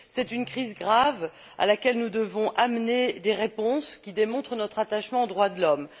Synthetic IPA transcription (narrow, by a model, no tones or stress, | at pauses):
sɛt̪ynkχizɡʁav | a̰lakʲɛlnud̪əvɔ̃ʔamned̪eʁepɔ̃skʲid̪emɔ̃t̪χənɔt̪χat̪aʃmɑ̃od̪ʁwad̪əlɔm